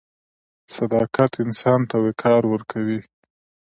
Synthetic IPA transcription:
sad̪ɑkat̪ɪnsɑnt̪awekʰɑɾwəɾkʰawi

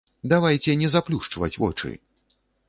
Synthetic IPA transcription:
d̪avajt͡sʲɛnʲɛzaplʲuʂt͡ʂvɐ̰t͡sʲvɔ̰t͡ʂɨ̰

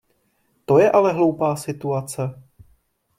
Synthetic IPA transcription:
t̪o̞jɛʔalɛɦlo̞wpaːsɪt̪uat͡sɛ

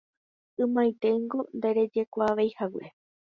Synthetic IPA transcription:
ɨ̃mãjt̪e̞ɨŋɡo̞nd̪eɾe̞d͡ʒe̞kʷaːʋejhawe

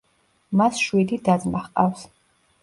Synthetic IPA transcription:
masʃwid̪id̪ad̪zmaχqʼaws

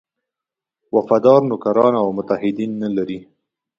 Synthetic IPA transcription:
wafad̪ɑɾnʊkaɾɑnawmʊt̪ahɪd̪inːalaɾi

